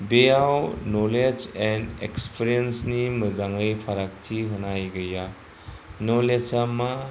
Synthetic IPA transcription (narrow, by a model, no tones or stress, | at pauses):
bejawnoled͡ʒendḛkspʰiɾiensniməzaŋɯjpʰaɾak̚tʰiɦənajɡɯja | noled͡ʒama